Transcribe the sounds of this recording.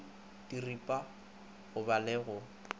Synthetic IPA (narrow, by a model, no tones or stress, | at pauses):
tʼiripʼa | ɣʊbalɛɣʊ